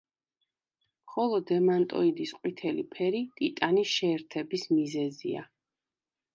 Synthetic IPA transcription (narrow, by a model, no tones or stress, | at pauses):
mχɔlˠɔd̪ɛmant̪ʼɔ̰id̪isqʼwit̪ʰɛlḭpʰɛɾit̪ʼit̪ʼaniʃɛːɾt̪ʰɛbismizɛzḭa̰